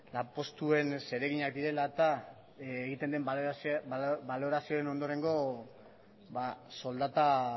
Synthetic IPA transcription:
lapo̞st̪ue̞nse̞ɾe̞ɣiɲakd̪iɾe̞lat̪a | eɣit̪e̞nd̪emsbalo̞ɾasio̞ɾe̞no̞nd̪o̞ɾe̞ŋɡo̞ | baso̞ld̪at̪a

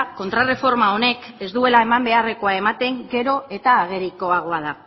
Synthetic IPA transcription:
ko̞nt̪ɾare̞fo̞ɾmao̞ne̞ke̞zd̪ue̞lae̞mambe̞are̞ko̞ae̞mat̪e̞ŋɡe̞ɾo̞e̞t̪aːɣ̞e̞ɾiko̞aɣ̞o̞aða

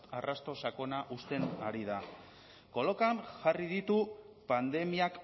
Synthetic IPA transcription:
arast̪o̞sako̞naʔust̪e̞naɾið̞a | ko̞lokanʝarið̞it̪u | pand̪e̞miak

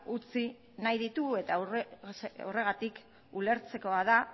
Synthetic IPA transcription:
ut͡si | najðit̪uɣe̞t̪a | ore̞ɣat̪ik | ule̞ɾt͡se̞ko̞að̞a

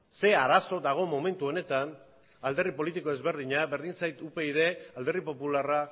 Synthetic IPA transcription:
se̞aɾaso̞d̪aɣ̞o̞mo̞me̞nt̪uo̞ne̞t̪an | ald̪e̞ripo̞lit̪iko̞e̞zβe̞ɾð̞iɲaβe̞ɾðint͡sajt̪upe̞iðe̞ald̪e̞ripo̞pulara

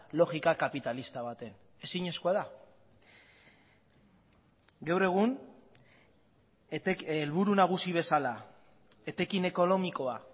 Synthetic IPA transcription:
lo̞ɣikakapit̪alist̪aβ̞at̪e̞n | e̞siɲe̞skuaða | ɡawre̞ɣ̞un | lβuɾunaɣ̞usiβ̞e̞sala | e̞t̪e̞kine̞ko̞no̞miko̞a

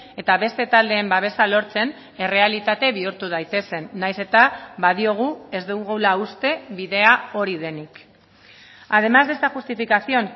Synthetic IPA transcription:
e̞t̪aβe̞st̪e̞t̪ald̪e̞ːmbaβ̞e̞salo̞ɾt͡se̞n | e̞re̞alit̪at̪e̞βiuɾt̪uð̞ajt̪e̞se̞nːajse̞t̪aβaðio̞ɣ̞ue̞zd̪uɣuwlaust̪e̞βiðe̞ao̞ɾið̞e̞nik | að̞e̞mazðe̞st̪aʝust̪ifikasio̞n

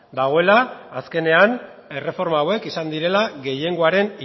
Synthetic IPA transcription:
d̪aɣ̞o̞elaːske̞ne̞an | e̞re̞fo̞ɾmaːwe̞kisand̪iɾe̞laɡe̞je̞ŋɡoaɾe̞ni

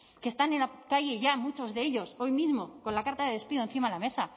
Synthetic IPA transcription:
kest̪anenakaʝe̞ʝamut͡ʃo̞zðee̞ʎo̞so̞jmizmo̞ko̞nlakaɾt̪aðe̞ðe̞spiðonθimalame̞sa

